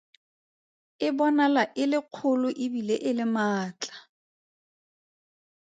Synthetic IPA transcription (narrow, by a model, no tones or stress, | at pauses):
ɪbɔnalaʔɪlɪq͡χʰʊlʊʔɪbileʔɪlɪmaːt͡ɬʼḁ